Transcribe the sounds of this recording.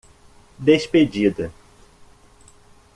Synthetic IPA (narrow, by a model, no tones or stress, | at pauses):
d̪esped͡ʒid̪ɐ